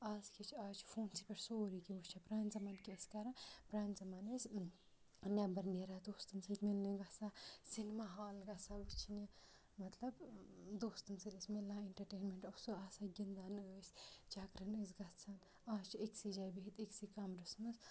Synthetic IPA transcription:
aːskʰit͡ʃʰaːt͡ʃʰfʰoːnsipʲeɾsoːɾiːkiʋut͡ʃʰapɾaːnzɐmankeskɐɾapɾaːnzɐmanesʲ | nʲɐbɐɾneɾad̪oːst̪ɐnsitʲmilːniɡɐsasinmaːɦaːlɡɐsaʋut͡ʃʰinʲe | mɐt̪lɐbd̪oːst̪ɐnsilisʲmelːaeɳʈɐɾʈeːnmeɳʈɐsoaːsaɡʲind̪aːnɨəːsʲt͡ʃaːkɾɐnəsɡɐt͡sʰɐn | aːt͡ʃʰeksid͡ʒaːjbiɦit̪eksikɐmɾɐsnɨs

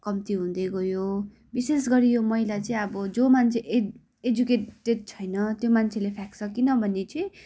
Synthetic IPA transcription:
kʌmt̪iɦũd̪eɡojo | bises̬ɡʌɾijomʌilat͡sʌĩʌbʌd͡zomant͡sʰeʔe | ed͡zukeʈed̪̚t͡sʰʌjnʌt̪jomant͡sʰelepʰaksʰʌkinʌbʱʌnːet͡sʌĩ

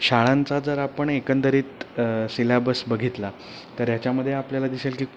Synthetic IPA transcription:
ɕaɭãnt͡sad͡zəɾapəɳekənd̪əɾiːt̪silabəsbəɡʱit̪la | t̪əɾjat͡ɕjaməd̪ʱːjeapljalad̪iselkiː

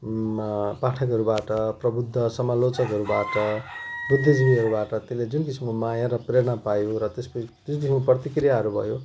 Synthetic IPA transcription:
paʈʰʌkʌɾubaʈʌprʌbud̪ʱːʌsʌmalot͡sʌkʌɾubaʈʌbrud̪ʱid͡zbʱiɦʌɾubaʈʌt̪eled͡zunkisimkomajaɾʌpreɾɽɳʌpajoɾʌt̪espʌd͡zunkisimkoprʌt̪ikrijaɦʌɾubʱʌ̰jo

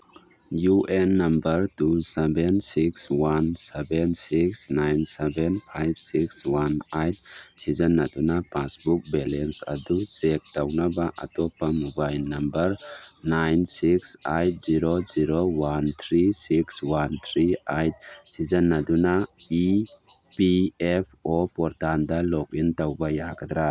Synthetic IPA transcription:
juʔenːɐmbɐɾtusebensikswansebensiksnajnsebenpʰajb̚sikswanajt̚sizɐnːɐdunapasbuk̚belensɐ̰dusek̚dawnabaʔa̰tɔpːamubajnɐmbɐɾnajnsiksajt̚ziɾoziɾowant̪ʰɾisikswant̪ʰɾiajt̚sizənːadunai | piepʰɔpɔɾtandalɔk̚intawbajaɡɐd̪ɾa

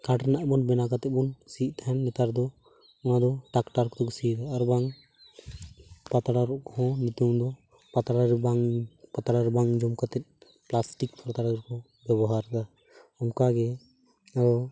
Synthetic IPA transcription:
kaʈnaʔbɔnbɛnakat̪ɛbɔnsiʔt̪aɦɛnːɛt̪aɾd̪ɔ | unad̪ɔʈakʈaɾkd̪ɔkɔsid̪aaɾbaŋ | pat̪aɽaɾɔʔkɔhɔ̃nut̪umd̪ɔ | pat̪aɽaɾbaŋpat̪aɽaɾbaŋd͡ʒɔmkat̪ɛt̪̚ | plasʈikpʰɔɾt̪aɽaɡɾkɔ | bɛbɔɦaɾd̪a | ɔmkaɡɛ | ɾɔ

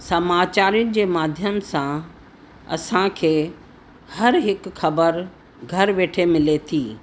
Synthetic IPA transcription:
sɐmaːt͡ɕaːɾijʊnɪ̆d͡ʑeːmaːd̪ʱjəmsã | ɐ̰sãkʰeː | hɐɾɦɪkxɐbəɾ | ɡʱɐɾʋeːʈʰemɪlet̪ʰiː

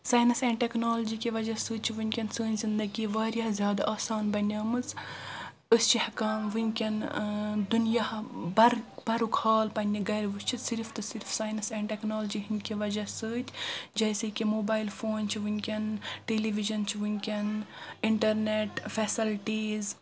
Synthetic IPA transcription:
saːjnɐsɛːɳɖʈeknoːld͡ʒiːkʲiʋɐd͡ʒɐsɨːt͡ʃʰiʋunʲkʲɐnsəːnʲzind̪ɐɡiʋaːɾʲjɐɦzʲjaːd̪aʔaːsaːnbɐnʲɐːmɨz | əst͡ʃʰihɐkɐːmʋunʲkʲɐnd̪unjahbɐɾbɐɾukʰaːlpɐnʲːiɡɐɾʋst͡ʃʰisiɾft̪ɨsiɾfsaːjnɐsɛ̃ːɳʈeknoːld͡ʒiɦinʲkʲiʋɐd͡ʒɐsəːt͡ʃʰʲd͡ʒɐːsekʲimoːbaːilfʰoːnt͡ʃʰiʋunʲkʲɐnʈeːliʋiʒɐnt͡ʃʰiʋunʲkʲɐniɳʈɐɾneʈfʰɛsilʈiːz

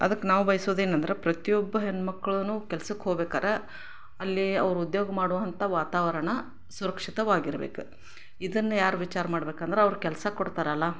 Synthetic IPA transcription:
ɐ̰d̪ɐkːenaːʋubɐjsoːd̪eːnɐnd̪ɐɾe̞pɾɐt̪ijɔbːɐɦenmɐkːɐɭɐnuːkɛlsɐkːɦoɡbeːkaːɾe | ɐlːiɐ̰ʋɐɾuud̪joːɡɐmaːɽuʋɐnt̪ɐʋaːt̪aːʋɐɾɐɳɐ | suɾɐkʂit̪ɐʋaːɡiɾɐbḛːku | id̪ɐnːɐjaːɾuʋit͡ʃaːɾɐmaːɽbeːkaːnd̪ɐɾeɐʋɾukɛlɐsɐkɔɽt̪aːɾeɐlːa

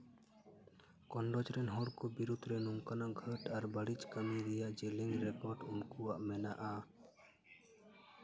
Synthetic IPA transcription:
kɔnɖɔd͡ʒɾɛnɦɔɽkɔbiɾud̪ɾɛnumkanaʔɡʱəʈaɾbəɽit͡ʃkəmiɾɛjaʔd͡ʒeliŋɾɛkɔɾɖunkuwaʔmɛnaʔa

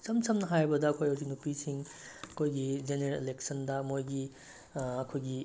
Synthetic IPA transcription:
sɐmt͡ʃɐmnɐɦajbɐdɐːkʰojɐwzinupisiŋɐkʰojɡid͡ʒeneɾeleleksʰɐndɐmojɡi | ɐkʰojɡi

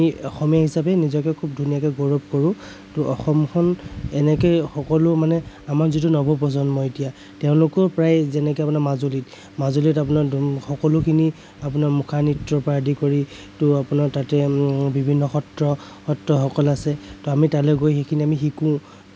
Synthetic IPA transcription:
iɔxɔmijaɦisapɛnizɔkɛkʰub̚dʱunijakɛɡɔɹɔb̚kɔɹʊ̃ | tʊʔɔxɔmkʰɔnɛnɛkɔjxɔkɔlʊmanɛ | amaɹzitunɔbɔp̬ɹɔzɔnmɔetija | tɛʊ̃lʊkɔɹpɹajzɛnɛkɔapʊnaɹmazolit | mazolitap̬ʊnaɹxɔkɔlʊkʰini | ap̬ʊnaɹmukʰanitɹɔpɹadʱikoɹi | tʊapʊnatatɛbibʱinːɔxɔtɹɔ | xɔtɹɔxɔkɔlasɛtɔamitalɛɡojxekʰiniamixikʊ̃

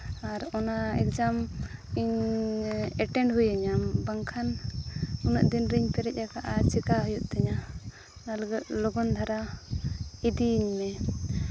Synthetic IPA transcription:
aɾɔnaɛ̰kd͡ʒamiɲ | ɛʈɛɳɖɦujaɲambaŋkʰan | unɔʔ̚d̪inɾiɲpɛɾɛc̚ˀakaʔat͡ʃɛkaɦɔjuʔt̪ɛɲa | nalaɡɛt̪̚lɔɡɔnd̪ʱaɾa | id̪iːɲmɛ

